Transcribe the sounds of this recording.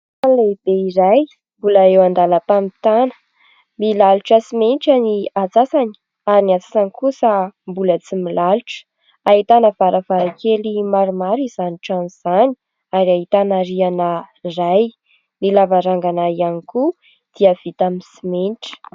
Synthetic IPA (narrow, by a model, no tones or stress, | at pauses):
anleib̥eiɾaj | mbulaewand̪alapamit̪anə̥ | milaluʈ͡ʂəsimenʈ͡ʂaniat͡sasani̥ | aɾiniat͡sḁsanikusəmbulət͡similaluʈ͡ʂə̥ | aɦit̪anəvaɾəvaɾakʰelimaɾumaɾizaniʈ͡ʂaniz̥ani̥ | aɾiaɦit̪anaɾianəiraj | nilavaɾaŋɡanaianiku | d̪̥iəv̥it̪amisimenʈ͡ʂə̥